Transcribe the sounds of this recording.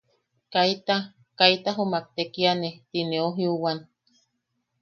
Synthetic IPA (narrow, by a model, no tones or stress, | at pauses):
kait̪a | kait̪aɦomak̚t̪ekianet̪ineoɦiuwan